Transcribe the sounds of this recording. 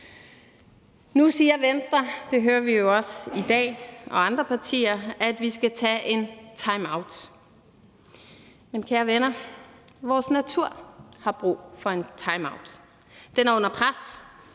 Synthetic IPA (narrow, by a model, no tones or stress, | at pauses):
nusiːɐʋensd̥ʁɐd̥e̝ɦøːɐʋijo̝ɒ̽sid̥ɛ̰ːɒ̽ɑ̈nd̥ʁɐpʰɑ̈t͡sʰḭːɐæd̥ʋisɡ̥æt͡sʰɛ̰ːʔe̝nt͡sʰɑ̈ɪmɑ̈ʊd̥ | menkʰæːɐʋenɐ | ʋɒːsnæt͡sʰuɐ̰hɑ̈b̥ʁṵːfɒ̽e̝nt͡sʰɑ̈ɪmɑ̈ʊd̥ | d̥enæɐɔ̽n̰ɐpʰʁas